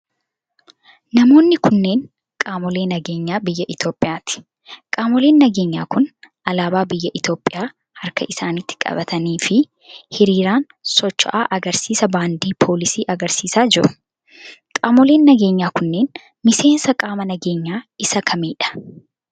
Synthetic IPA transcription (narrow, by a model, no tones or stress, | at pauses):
nɐmo̞ːnːɪkʊnːe̞ːn | kʼaːmɔle̞ːnɐɡe̞ːɲːaːbɪjːɐʔɪt̪o̞ːpʼɪjaːt̪ɪ̥ | kʼaːmɔle̞ːnːɐɡe̞ːɲːaːkʊnʔɐlaːbaːbɪjːɐʔɪt̪o̞ːpʼːɪjaː | hɐɾkɐʔɪsaːnɪt̪ːɪ̥kʼɐ̰bɐt̪ʰɐniːfɪ | hɪɾiːɾaːn | sɔt͡ʃːɔ̰ʔaːʔɐɡɐɾsiːsɐbaːnd̪iːpʰo̞ːlɪsiːʔɐɡɐɾsiːsaːd͡ʒɪɾʊ̥ | kʼaːmɔle̞ːnːɐɡe̞ːɲːaːkʊnːe̞ːn | mɪse̞ːnsɐkʼaːmɐnɐɡe̞ːɲːaːɪsɐkʰɐmiːᶑɐ̥